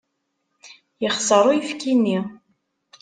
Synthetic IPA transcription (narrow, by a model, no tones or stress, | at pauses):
jəχsˤəɾˤoujifkinːi